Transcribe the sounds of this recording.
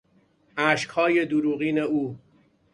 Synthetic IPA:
ʔæʃkhɒːje̞d̪uɾuːɣiːne̞uː

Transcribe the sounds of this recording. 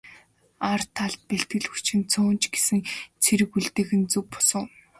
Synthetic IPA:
art̪ʰːaɮt̪̚peɬt̪̚ɡɘ̆ɮxu̥t͡ɕʰɘ̆nt͡sʰʊːnt͡ɕɡesɘ̆ŋt͡sʰeɾɘ̆kuɮt̪eːxɘ̆nt͡suwk̚pɔ̥sə̆ŋ

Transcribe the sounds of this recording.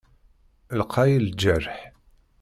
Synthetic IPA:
lqʰɑjild͡ʒəɾħ

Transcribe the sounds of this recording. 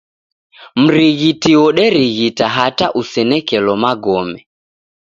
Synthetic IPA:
m̩ɾiɣitiɔɗɛɾiɣitaɦataʔusɛnɛkɛlɔmaɡɔmɛ

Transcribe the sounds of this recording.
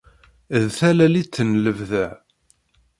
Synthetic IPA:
ðθælælit͡sːənləvðəʕ

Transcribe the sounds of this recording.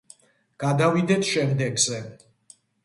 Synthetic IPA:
ɡ̥ad̪avid̪ɛt̪ʰʃɛmd̪ɛɡzɛ

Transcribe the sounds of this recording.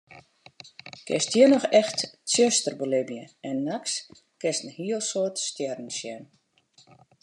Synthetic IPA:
kɪ̰stʰjənɔxɛxtt͡sjøstərbolɪbjəɛnːaks | kɪstn̩hiəlˠsoːtstjɛrn̩sjɛn

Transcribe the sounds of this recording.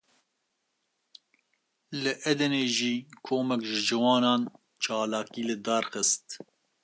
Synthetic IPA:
lɨʔɛd̪ɛneːʒiːkʰoːmɛkʒɪʒɨwɑːnɑːn | t͡ʃʰɑːlɑːkiːlɨd̪ɑːɾxəst̪

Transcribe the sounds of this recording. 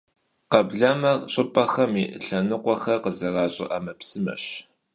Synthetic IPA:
qɐbɮɐmɐɕʼɪpʼɐxɐmiʔɬɐnɨqʷɔxɐrqəzɐrɑːɕʼɪ̰ʔɐmɐpsɨmɐ̰ɕ

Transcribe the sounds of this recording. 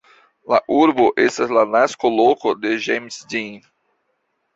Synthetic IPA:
laʔuɾboʔest̪azlanaskolokod̪eʒemsdin

